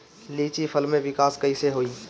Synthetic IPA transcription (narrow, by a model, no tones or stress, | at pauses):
liːt͡ʃipʰəlmẽʋɪkaːskɐiseɦoːiː